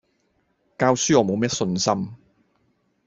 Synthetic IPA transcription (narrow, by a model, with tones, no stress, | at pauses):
kaː˧wsyː˥ɔː˨˧mo˨˧wmɛː˥sɵ˧nsɐ˥m